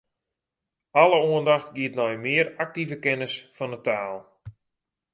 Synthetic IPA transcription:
aləuəndaxtɡiətnɔjmɪərak̚tivəkɛnəsfɔnətaːlˠ

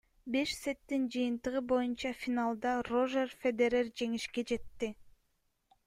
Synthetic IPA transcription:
be̞ʃset̪ːind͡ʒɯjɯnt̪ɯʁɯbo̞junt͡ʃɑfʲinalˠd̪ɑro̞ʒerfʲed̪eɾerd͡ʒe̞ŋiʃke̞d͡ʒe̞t̪ːi

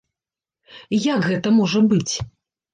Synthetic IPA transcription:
jakɣɛt̪ɐmɔʐɐbɨt͡sʲ

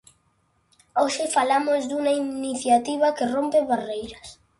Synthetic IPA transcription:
oʃɪfalamozðuŋainiθjat̪iβɐkɪrompeβarejɾɐs

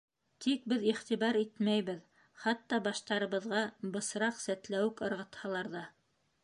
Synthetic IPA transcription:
t̪ik̚bɘðiχt̪iβɑɾit̪mæjβɘð | χɑt̪ːɑbɑʃt̪ɑɾɤ̆βɤ̆ðʁɑbɤ̆sɾɑqsæt̪læwɘkɤ̆ɾʁɤ̆t̪hɑlˠɑɾðɑ

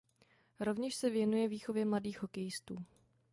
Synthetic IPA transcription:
ɾo̞vɲɛʃsɛvjɛnujɛviːxo̞vjɛmladiːxɦo̞kɛjɪst̪uː

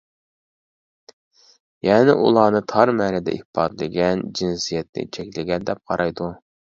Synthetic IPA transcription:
jɛːnɪʔṵlˠɑːnɨt̪ʰɑɾmænɪd̪ɛ̰ʔihpɑd̪lˠɪɡʲɛnd͡ʒinsijɛt̪̚nɪ̰t͡ʃʰɛkʲlɪɡʲɛnd̪ɛp̚qʰɑɾɑjd̪u

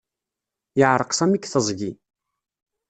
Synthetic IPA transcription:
jəʕɾˤəqsˤæmikθəzˤʝi

